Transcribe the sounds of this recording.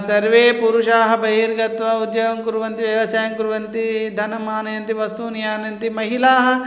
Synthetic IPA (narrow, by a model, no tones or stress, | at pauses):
sɐɾʋeːpuɾuʂaːɦɐ̆bʱɐɦiːɾɡɐt̪ʋɐud̪jɐʋɐŋkuɾuʋɐnt̪iʋjɐʋɐsaːjɐŋkuɾuʋɐnt̪id̪ʱɐnɐmaːnɐjɐnt̪iʋɐst̪unjaːnɐjɐnt̪imɐɦilaːɦɐ̆